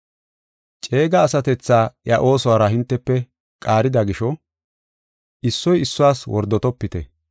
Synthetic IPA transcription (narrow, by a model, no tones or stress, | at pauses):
t͡ʃʼe̞ːɡɐːsɐt̪ɛt͡sːaːjɐʔo̞ːsɔwaːɾɐɦɪnt̪ːɛpːɛ | kʼaːɾɪd̪ɐɡɪʃɔ | ɪsːɔjɪsːʊwaːswɔ̰ɾd̪ːɔt̪ɔpːɪt̪ɛ